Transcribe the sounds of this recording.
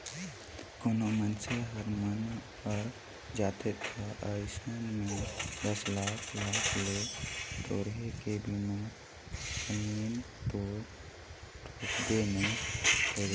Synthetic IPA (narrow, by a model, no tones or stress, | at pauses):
konomənseɦəɾmən | ɔːɾ | d͡ʒaːt̪et̪ʰaʔəɪsənmẽd̪əslaːkʰlaːkʰleʈoːɾɦekebimo | kəmiːn | t̪o | ʈʰokd̪ene | oːd͡ʒ